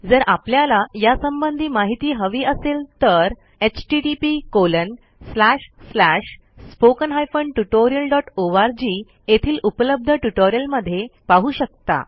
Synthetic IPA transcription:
d͡zəɾʔapljalajasəmbənd̪ʱiːmaɦit̪iːɦəʋiːʔəselt̪əɾ | et͡ɕʈiʈipikolən | slaɕslæɕ | spokənɦajfoɳʈuʈoɾijəlɖɔʈoʋaɾd͡ʑiː | jet̪ʰiːlupələb̚d̪ʱəʈuʈoɾijəlməd̪ʱːjepaɦuɕəkt̪a̰

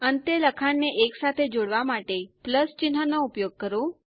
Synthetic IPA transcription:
ənt̪eləkʰaɳneʔeksat̪ʰed͡ʒoɽʋamaʈepləst͡ɕin̤ːanoupjoɡ̚kəɾo

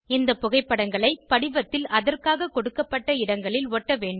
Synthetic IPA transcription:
ɪnd̪ɐpːʊɣɐɪpːɐɽɐŋɡɐɭɐɪpɐɽɪʋɐt̪ːɪlɐðɐrkaːɣɐkɔɽɯkːɐpːɐʈːɐɪɽɐŋɡɐɭɪlʋɔʈːɐʋeːɳɖɯm

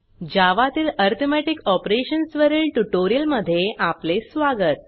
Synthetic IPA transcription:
d͡ʑaʋat̪iːləɾt̪ʰomɛʈikɔpɾeɕənsʋəɾəːlʈuʈoɾijəlməd̪ʱːjeʔaplesʋaɡət̪̚

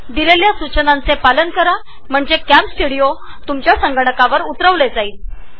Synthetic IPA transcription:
d̪ileljasut͡ɕənãnt͡sepalənkəɾa | m̤əɳd͡zekæmpsʈeɽijo | t̪umt͡ɕjasəŋɡəɽ̃əkaʋəɾut̪ɾəʋled͡zaiːt̪̚

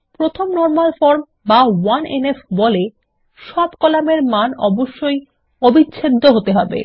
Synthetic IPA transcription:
pɾot̪ʰomnɔɾmalfɔɾm | bawanḛnefbɔle | ʃɔbkɔlameɾmanɔboʃːoj | obitːɕʰed̪ʱːoɦot̪eɦɔbḛ

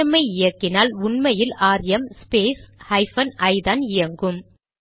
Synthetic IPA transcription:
ɐmɐɪɪjɐkːɪnaːlʊɳmɐjɪlaːɾjɐmspeːshɐɪfɐnɐɪðaːnɪjɐŋɡɯm

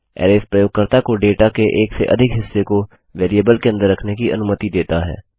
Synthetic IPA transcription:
ɛ̰ːɾeːspɾɐjoːɡ̚kəɾt̪akoɖeːʈakeʔeːksḛʔɐ̰d̪ʱɪkɦɪsːeko | ʋeːɾieːbəlkeɐ̃nd̪əɾːɐkʰnekiɐnʊmət̪id̪eːt̪aɦɛ̰ː

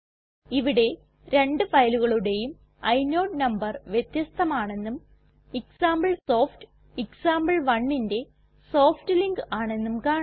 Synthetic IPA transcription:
iʋiɽe̞ | ɾe̞ɳɖɨfɐjluɣɐɭuɽe̞jum | ɐjno̞ːʈnɐmbɐrʋjet̪jɐst̪ʰɐmaːɳe̞nːum | iksaːmbɐɭso̞ːfʈɨ | iksaːmbɐɭʋɐnːinde̞ | so̞ːfʈɨliŋɡaːɳe̞nːumkaːɳ

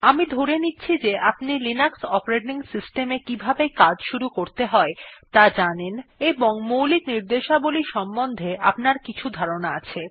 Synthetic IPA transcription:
amid̪ʱoɾenitːɕʰid͡ʑeʔapnilinaksɔpɾeɖiŋsisʈemekibʱabekad͡ʑʃuɾukoɾt̪eɦɔet̪ad͡ʑaneneboŋmowlikniɾd̪eʃaboliʃɔmbond̪ʱea̰pnaɾkit͡ɕʰud̪ʱaɾonaat͡ɕʰe

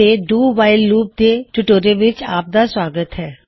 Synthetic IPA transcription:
eɖuːʋaːɪlːuːp̚d̪eʈʊʈoːɾẽʋɪt͡ʃaːp̚d̪aswaːɡət̪ɦɛː

